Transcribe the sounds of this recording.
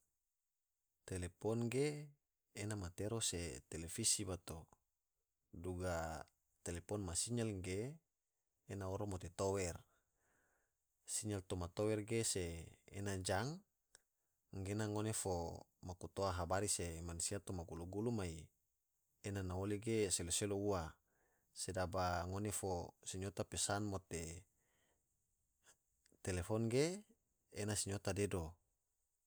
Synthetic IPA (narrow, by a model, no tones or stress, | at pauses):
t̪elepɔnɡeː | namat̪eɾoset̪elefisibat̪o | duɡa | t̪elepɔnmasiɲalŋɡeː | naoɾomot̪et̪owɛr | siɲalt̪omat̪owɛrɡesḛːnad͡ʒaŋ | ɡenaŋonefo | makut̪oaɦabaɾisemanusiat̪omaɡuluɡulumai | enanaoliɡeseloseloua | sedabaŋonefosiɲot̪apesanmot̪e | t̪elefɔnɡeː | nasiɲot̪adedo